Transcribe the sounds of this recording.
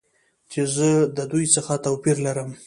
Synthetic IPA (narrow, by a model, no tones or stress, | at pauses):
t͡ʃezəd̪əd̪ujt͡səxat̪awpiɾlaɾəm